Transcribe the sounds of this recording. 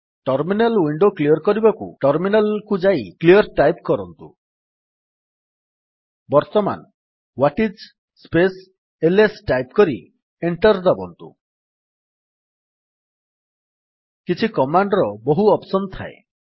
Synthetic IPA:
ʈɔɾminalwiɳɖokliɔɾkɔɾibɔkṵʈɔɾminalkud͡ʒaikliɔɾʈajpkɔɾɔnt̪ṵ | bɔɾt̪ɔma̰n | waʈid͡ʒ | spes | elesʈajp̚kɔɾi | eɳʈɔɾd̪ɔbɔnt̪ṵ | kit͡ʃʰikɔmaɳɖɔɾɔboɦuɔpsɔnt̪ʰae

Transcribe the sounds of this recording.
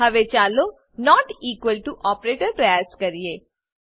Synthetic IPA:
ɐʋet͡ʃaːlo | nɔːʈiːkwəlʈuʔɔːpɾeːʈəɾpɾɛːskɐɾijeː

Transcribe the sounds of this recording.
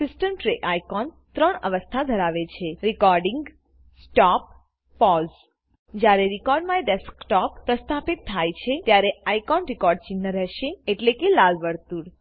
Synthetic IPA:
sɪsʈəmʈɾeʔajkɔn | t̪ɾəɳə̰ʋəst̪ʰad̪ʱəɾaʋet͡ʃʰeɾikɔɾɖiŋɡ | sʈɔp̚ː | ɔz | d͡ʒjaɾeɾikɔɾɖmãeɖeskʈɔppːɾəst̪ʰapit̪ʰːajt͡ʃʰet̪jaɾeajkɔnɾikɔɾɖ̚t͡ʃinːəɾɛɦʃeeʈlekelalʋəɾt̪uɽ

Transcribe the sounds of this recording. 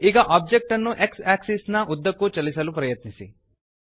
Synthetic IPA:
iɡɐʔaːb̚d͡ʒek̚ʈɐnːuʔeksaːksisnɐʔud̪ːɐkːut͡ʃɐlisɐlupɾɐjɐt̪nisḭ

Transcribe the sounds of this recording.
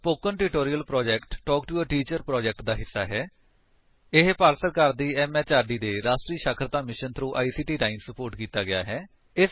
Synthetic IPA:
poːkənʈɪʈoːɾiəlpɾɔːd͡ʒɛːkʈːɔːkʈuəʈiːt͡ʃəɾpɾɔːd͡ʒɛːk̚ʈd̪aːɦɪsːa̰ːɦɛː | ɪɦpaːɾsəɾkəɾd̪iːɛːmɛːt͡ʃaːɾɖiːd̪eːɾaːʃʈɾiːʃakʰɾət̪aːmɪʃənt̪ʰɾuːʔaːiːsiːʈiːʈaːɪnsəpoːɾʈkiːt̪aːɡɪja̰ːɦɛː | ɪs

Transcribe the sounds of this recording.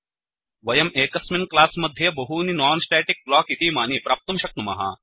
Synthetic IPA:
ʋɐjɐmeːkɐsminklaːsmɐd̪ʱjɐbɐɦuninɔːnsʈeːʈik̚blaːkit̪iːmaːniːpɾaːp̚t̪ɐmʃɐk̚nɐmɐ̰ɦa̰ː

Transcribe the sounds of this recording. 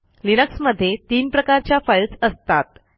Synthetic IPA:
linəksməd̪ʱːjet̪iːnpɾəkaɾt͡ɕjafəjlt͡səst̪at̪

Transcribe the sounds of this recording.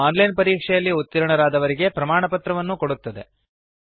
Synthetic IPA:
aːnlɐjnpɐɾiːkʂɛjɐlːiut̪ːiɾɐɳɐɾaːd̪ɐʋɐɾiɡe̞pɾɐmaːɳɐpɐt̪ɾɐʋɐnːuko̞ɽut̪ːɐd̪e̞̰

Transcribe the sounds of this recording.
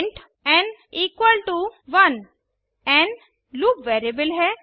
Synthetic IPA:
ɳʈ | ɛ̃ɳɖiːkwəlʈuʋɐn | ɛ̃ɳɖ | luːpʋeːɾebɪlɦɛ

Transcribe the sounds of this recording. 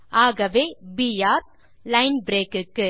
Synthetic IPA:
aːɣɐʋeːbijaːɾ | lɐɪnbɪɾeːkɯkːɯ

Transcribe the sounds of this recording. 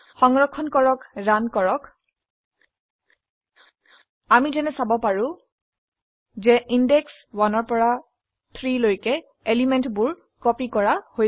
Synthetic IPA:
xɔŋɹɔkʰːɔnkɔɹɔkɹankɔɹɔk | amizɛnɛsabɔpaɹʊ̃ | zɛʔindɛks | wanɔɹpɔɹa | t̪ʰɹilojkɛ | elimɛntbʊɹ | kɔpikɔɹaho

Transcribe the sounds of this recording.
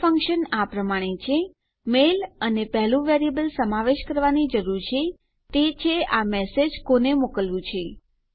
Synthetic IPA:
fəŋkʃənapɾəmaɽ̃et͡ʃʰe | melənepɛɦlũʋeɾiəbəlsəmaʋeʃkəɾʋanid͡ʒəɾuɾt͡ʃʰe | t̪et͡ʃʰeamɛsed͡ʒkonemokəlʋũt͡ʃʰe

